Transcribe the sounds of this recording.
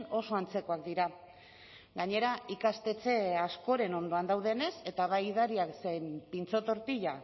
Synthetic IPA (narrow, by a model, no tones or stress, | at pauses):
no̞so̞ant͡se̞ko̞akd̪iɾa | ɡaɲe̞ɾaikast̪e̞t͡se̞asko̞ɾe̞no̞nd̪o̞and̪awð̞e̞ne̞se̞t̪aβajiðaɾiaksejmpint͡so̞t̪o̞ɾt̪iʎa